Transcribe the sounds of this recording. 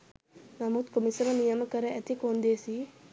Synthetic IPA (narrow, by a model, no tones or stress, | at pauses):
nɐmut̪kumisɐmɐnijɐmɐkɐɾɐɐt̪ikoːnd̪eːsi